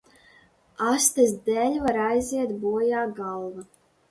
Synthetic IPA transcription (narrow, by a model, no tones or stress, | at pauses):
ast̪ɨsd̪ɛlʲvaɾajziɛt̪buɔjaːɡalˠva